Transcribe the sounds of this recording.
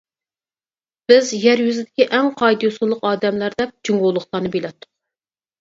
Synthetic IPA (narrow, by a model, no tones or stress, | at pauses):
b̥ɪzjɛɾjyzɪd̪ɪkʲiʔɛŋqʰɑjd̪josulˠːəqɑːd̪ɛmlæɾd̪ɛp̚d͡ʒyŋɡolˠːʊχlˠɑnɨbelɛt̪ʰːʊ̥q